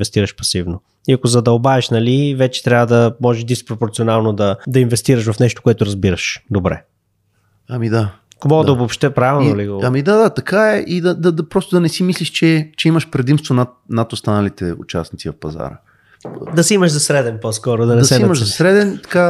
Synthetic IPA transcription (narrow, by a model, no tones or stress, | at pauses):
vɛst̪iɾəʃpɐsivno | iɐkozɐd̪ɐobaɛʃnɐlivɛt͡ʃɛ̥t̪ɾʲavəd̪ɐmɔʒɛʃd̪ispɾopoɾt̪sionalˠnod̪ɐd̪ɐinvɛst̪iɾəʃ̬vɐfnɛʃt̪o̥koɛt̪ʊɾɐzbiɾɐʃd̪obɾɛ̰ | ɐmid̪a | komɔɡd̪ɐobopʃt̪ɛpɾavɛlˠnoliɡoɐmid̪ad̪at̪ɐkaɛʔid̪ɐd̪ɐd̪ɐpɾɔst̪ʊd̪ɐnɛsimisliʃt͡ʃɛt͡ʃɛimɐʃpɾɛd̪imst̪vonat̪̚nɐt̪ʊst̪anɐlit̪ɛʊ̰t͡ʃa̰snit̪sivɐfpɐza̰ɾə̰ | d̪ɐsiiməʃzɐsɾɛd̪ɛnposkɔɾod̪ɐnɛɐsɛniməʃzɐsɾɛd̪ɛnt̪ɐ̥ka